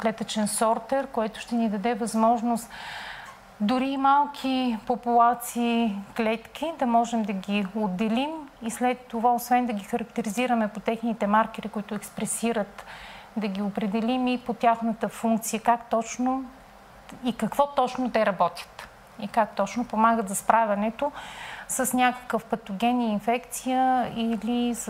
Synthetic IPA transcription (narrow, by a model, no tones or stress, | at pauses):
klɛt̪ət͡ʃɛnsɔɾt̪ɛɾkoɛt̪ʊ̥ʃt̪ɛnid̪ɐd̪ɛvɐzmɔʒnost̪ | d̪ʊɾimalˠkʰipopulˠat̪siːklɛt̪kʲid̪ɐmɔʒɛmd̪ɐɡʲiod̪ːɛlimislɛt̪ːovaosvɛnd̪ɐɡʲixɐɾɐkt̪ɛɾiziɾəmɛpot̪ɛxnit̪ɛmaɾkɛɾikoit̪ʊɛkspɾɛsiɾət̪d̪ɐɡʲiopɾɛd̪ɛlimipot̪ʲjaxnət̪əfuŋk̚t̪sijəkakt̪ɔt͡ʃno | ikɐkvɔt̪ɔt͡ʃnot̪ɛɾɐbɔt̪ʲjə̥t̪ | ikakt̪ɔt͡ʃnopomaɡət̪zɐspɾavʲɛnɛt̪osɐsnʲakə̥kəfpɐt̪oɡʲɛniinfɛkt̪sijəilis